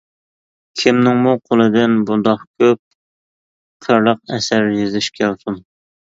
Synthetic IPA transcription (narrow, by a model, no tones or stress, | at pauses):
kʲʰimnɪŋmuqʰolˠɨd̪ɪnbund̪ɑχkʲʰøp̚ | qʰəɾlˠəq̚ɛsæɾjezɪʃkʲʰælsum